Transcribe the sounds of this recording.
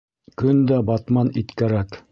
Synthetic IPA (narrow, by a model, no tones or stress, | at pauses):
kɵnd̪æbɑt̪mɑnit̪kæɾæk